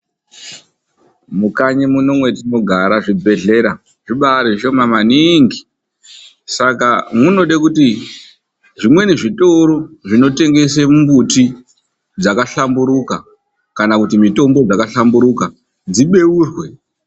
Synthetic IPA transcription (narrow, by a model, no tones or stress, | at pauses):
mukaɲemuno̞mwe̞tino̞ɡʱaɾaʐibʱe̞ɮe̞ɾa | ʐiɓaɾiʃo̞mamaniŋɡi | sakamuno̞ɗakuti | ʐimwe̞niʐito̞ɾoʐino̞te̞ŋɡe̞semumbuti | d͡zakaɬambuɾuka | kanakutimito̞mbo̞d͡zakaɬambuɾuka | d͡ziɓe̞uːrwe̞